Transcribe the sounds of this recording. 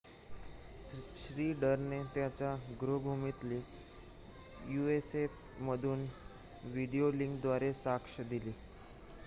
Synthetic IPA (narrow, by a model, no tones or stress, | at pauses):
ɕɾiːɖəɾnet̪jat͡ɕjaɡɾobʱumit̪liː | juesef | məd̪ʱuːn | ʋiɽioliŋkd̪ʋaɾesakʂəd̪iliː